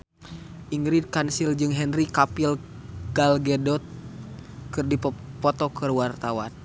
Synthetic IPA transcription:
ʔiŋɡɾid̚kansild͡ʒɨŋɦɛnrikapil | ɡ̥alɡɛdɔt̪̚ | kɨrdippɔt̪ɔkɨrwart̪awan

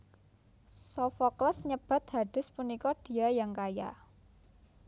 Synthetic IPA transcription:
sofɔkləsɲəb̥a̤t̪̚ha̤ɖ̥ɪ̤spunikɔɖ̥i̤ajaŋkaja̰

